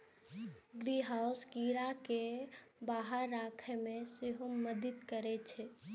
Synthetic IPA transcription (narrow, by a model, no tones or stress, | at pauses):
ɡɾiɦaʊskiɾakebaɦəɾːakʰemẽseɦoməd̪ɪt̪kəɾet͡ʃʰɛ